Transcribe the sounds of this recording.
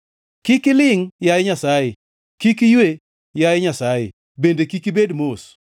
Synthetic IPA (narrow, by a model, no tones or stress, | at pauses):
kikɪlɪŋjajɲasajɪ | kikijwe | jajɪɲasajɪ̰ | bendekikibedmos